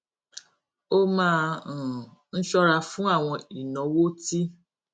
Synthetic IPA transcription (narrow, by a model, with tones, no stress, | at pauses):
o˦mãː˦˧˨ | n̩˦ʃɔ˦ɾa˧fũ˦a˦˨w̃ɔ̃˧i˨nɔ̃˨˦wo˦ti˦